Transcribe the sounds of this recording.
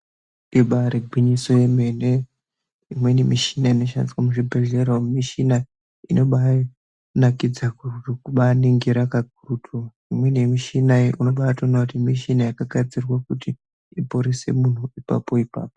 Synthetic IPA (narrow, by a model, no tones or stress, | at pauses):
iɓaɾeɡʱwiɲiso̞je̞me̞ne | imwe̞nemiʃinaino̞ʃa̰ndiswamuʐibʱe̞ɮe̞ɾomiʃina | inʔo̞ɓa | nakid͡zakukuɓaneŋɡiɾakaɡʱurutʰu | imwe̞nemiʃinaiʔunoɓaatonakutimiʃinajakaɡʱad͡zirwakuti | ipoɾese̞̰mun̤uipa̰po̞ipa̰ːpo